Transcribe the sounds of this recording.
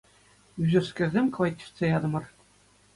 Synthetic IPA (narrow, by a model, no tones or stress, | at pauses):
yʑʲɘ̆rskʲɘ̆rʲzʲemʲkvɑtʲːi̥fʲt̪t͡sʲejɑd̪ɤ̆mɤ̆r